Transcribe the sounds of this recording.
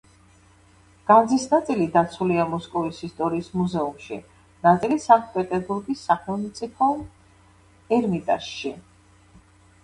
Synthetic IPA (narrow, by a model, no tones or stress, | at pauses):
ɡ̥and̪zisnat̪sʼilid̪at̪sʰuliamɔskʼɔvisist̪ʼɔɾiːsmuzɛumʃḭ | nat̪sʼilisaŋkt̪̚ʰʼpʼɛt̪ʼɛɾbuɾɡisːakʰmɛnt̪sʰʼipʰɔm | ɛɾmit̪ʼa̰ʃʃi